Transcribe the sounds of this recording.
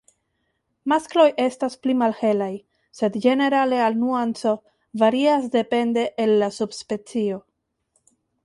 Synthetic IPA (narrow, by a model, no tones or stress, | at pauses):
masklo̞je̞stasplimalhe̞laj | se̞dd͡ʒe̞ne̞ɾale̞alnuant͡so̞ | vaɾiasde̞pe̞nde̞ʔːlːasubspe̞t͡sio̞